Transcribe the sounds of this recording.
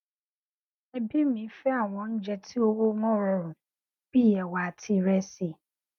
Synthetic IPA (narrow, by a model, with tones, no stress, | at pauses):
ɛ˦bi˦mĩ˨˦fɛ˦a˦˨w̃ɔ̃˧n̩˦d͡ʒɛ˧tʰi˦o˦wo˦mɔ̃˦ɾɔ˦ɾʊ̃˨ | b̥i˦˨jɛ˨wa˨tʰi˧ɾɛ˦si˨